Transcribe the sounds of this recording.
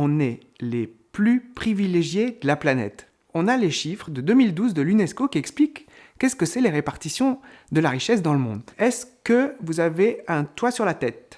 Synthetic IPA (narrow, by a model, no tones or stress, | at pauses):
ɔ̃nɛ | leplypχivileʒjed̪əlaplanɛ̰t̪ | ɔ̃naleʃifχd̪əd̪ømild̪uzd̪əlynɛskokʲiɛksplikː | ɛskəsɛleʁepaʁt̪isjɔ̃d̪əlaʁiʃɛs̬d̪ɑ̃ləmɔ̰̃d̪ɛskəvuzaveɛ̃t̪wasyʁlat̪ɛt̪̚